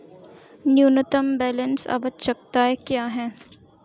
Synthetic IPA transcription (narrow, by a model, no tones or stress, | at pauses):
njuːnət̪əmbɛːlənsɐ̰bət̪̚t͡ʃɐk̚t̪aɦɛkjaːɦɛː